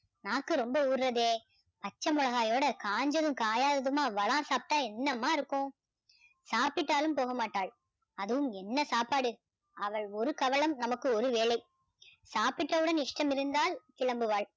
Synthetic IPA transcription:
naːkːɯɾɔmbɐuːɾrɐðeː | pɐt͡ʃːɐmʊɭɐɣaːjoːɽɐkaːɲd͡ʒɐðɯmkaːjaːðɐðɯmaːʋɐɭãːsaːp̚ʈːaːɛnːɐmːaːɪɾɯkːõ | saːpɪʈːaːlɯmpoːɣɐmaːʈːaːɭ | ɐðɯʋɯmɛnːɐsaːpaːɽɯ | ɐʋɐɭɔɾɯkɐʋɐɭɐmnɐmɐkːɯɔɾɯʋeːɭɐɪ | saːpɪʈːɐʋɯɽɐnɪʂʈɐmɪɾɯnd̪aːlkɪɭɐmbɯʋaːɭ

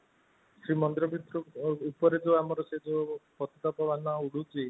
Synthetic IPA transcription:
sɾimɔnd̪ɾɔbit̪ɾɔupɔɾed͡ʒoamɔɾɔsed͡ʒopɔt̪ʰɔt̪apɔʋanauɽ̤ut͡ʃi

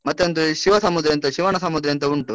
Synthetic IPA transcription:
mɐt̪ːeond̪uʃiʋɐsɐmud̪ɾɐjɐnt̪ɐʃiʋaːɳɐsɐmud̪ɾɐjɐnt̪̬ɐuɳʈu

